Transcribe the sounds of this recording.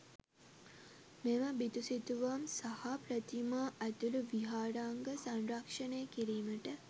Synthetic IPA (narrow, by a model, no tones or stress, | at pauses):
meməbit̪usit̪uʋamsahaprət̪imaːʔæt̪uluʋiɦaːɾaːŋɡəsanrakʂənejəkiɾiːməʈə